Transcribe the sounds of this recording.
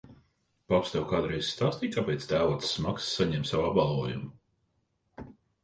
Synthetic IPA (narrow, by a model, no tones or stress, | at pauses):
papst̪ɛwkaːd̪ɾɛjzst̪aːst̪iːkapʲɛjt̪sd̪æːvɔt̪sːmaksːaɲɛmsawabbalˠuɔjumu